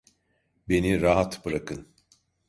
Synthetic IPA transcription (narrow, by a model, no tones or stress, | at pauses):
be̞niɾaɦat̪bɯɾakʰɯn